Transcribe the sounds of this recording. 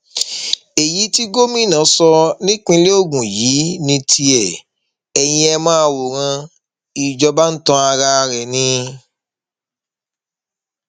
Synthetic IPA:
e˨ji˨˦ti˦ɡo˦mĩ˦˨nã˨˦sɔ˧nĩ˦k͡pĩ˦˧˦le˦o˦˨ɡũ˨ji˨˦nĩ˧tʰi˧ɛ˨ | ɛ˨j̃ĩ˧ɛ˧mãː˦˧wo˨ɾ̃ã˧ | i˨d͡ʒɔ˧ba˦n̩˦tɔ̃˧˦a˧ɾa˧ɾɛ˨nĩ˧

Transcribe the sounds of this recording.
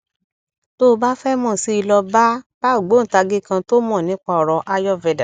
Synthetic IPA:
to˦˧ba˦fɛ˦mɔ̃˦˨si˦i˧lɔ˧ba˦b̥a˦o˦˨ɡ͡bo˨˦˨ta˧ɡe˦˨kã˧to˦mɔ̃˦˨nĩ˨˦k͡pa˧ɔ˨ɾɔ˧ʔa˦jɔ˦vɛ˧da˨

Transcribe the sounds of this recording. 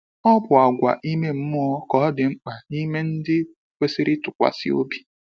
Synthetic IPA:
ɔ˦bʊ˨a˨ɡʷa̰˨ʔi˦me˦m̩˦mʊ˦ɔ˦kɔ˨˦dɪ˨ŋ͡m̩˦k͡pa˨i˦me˦n̩˦dɪ˦ | kʷe˦si˦ɾɪ˦tʊ˨kʷa̰˨sɪ̰˦o̰˦bi̥˦

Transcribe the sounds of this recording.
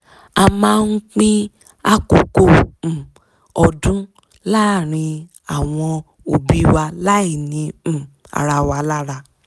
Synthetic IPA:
a˧mãː˦˧n̩˦k͡pĩ˦ | a˦ko˧˨kõ˦˨ | ɔ˧dũ˦ | la˦˨ɾ̃ĩ˧ | a˨w̃ɔ̃˧ | o˨bi˨˦wa˧la˦i˦˨nĩ˨˧˨ | a̰˨ɾa˧wa˧la˦ɾa˧

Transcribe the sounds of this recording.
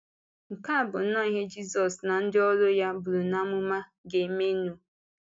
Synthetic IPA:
ŋ̩˨ka˦˨bʊ˨˦nɔ˦i˦ɦe˦d͡ʒi˦sɔ˨sna˨n̩˦dɪ˦ɔ˦ɾʊ˦ja˦bʊ˨ɾu˨na˦mʊ˦ma˦ɡe˨˦me˦nu˦

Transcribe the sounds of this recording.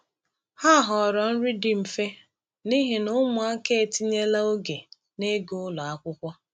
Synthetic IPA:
ha˦˨ɦɔ˨ɾɔ˨n̩˦ɾi˦di˦m̩˨fe˦ | ni˦ɦi˨nʊ˦mʊ˨a˦ke˦e˨ti˦ɲe˦la˦o˦ɡe˨ | ne˦ɡo˦ʊ˦lɔ˨a˦kʷʊ˦kʷɔ˦

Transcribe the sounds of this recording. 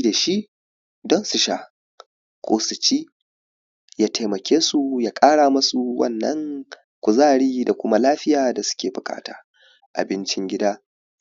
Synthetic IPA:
da˨ʃi˦ | dɔ˦nsu˨ʃaː˨ | kʷʼoː˨sʊ˨t͡ʃiː˦ | jaː˦tʰa˨mɐ˨kʲeː˦su˨jaː˨˦kʼaː˦ɽaː˨mɐ˦su˨wʔɐ̰˦˨nːɐ̰˦ŋ | kʷʊ˨zaː˦˨ɽiː˦da˨kʷʊ˦ma˦laː˦ɸɪ˦jaː˨da˨sʊ̥˦kʲeː˨bʊ˨kʼa̰ː˦ta̰ː˨ | ʔa̰˨bɪ˦nt͡ʃɪ˦ŋɡʲɪ˦daː˦

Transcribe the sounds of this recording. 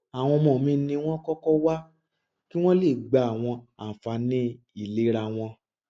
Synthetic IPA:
a˨w̃ɔ̃˧mɔ̃˨mĩ˧˦nĩ˧w̃ɔ̃˦kɔ˦kɔ˦wa˦ | ki˦w̃ɔ̃˦le˦˨ɡ͡ba˨a˨w̃ɔ̃˧a˨fa˨˦nĩ˦ | i˦˨le˨˦ɾa˧w̃ɔ̃˧

